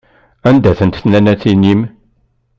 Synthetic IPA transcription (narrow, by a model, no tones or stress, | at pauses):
ænd̪æθənt̪θnænæθinim